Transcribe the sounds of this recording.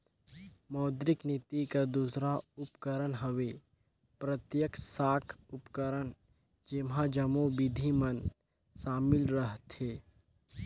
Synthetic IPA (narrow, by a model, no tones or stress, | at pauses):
mɔːd̪ɾɪknɪt̪ikad̪uːsɾaʊpkəɾənɦəʋe | pɾət̪jəksaːkʰʊpkəɾən | d͡ʒɪmɦãd͡ʒəmõbɪd̪ʱimən | ʃaːmɪlɾəɦt̪eː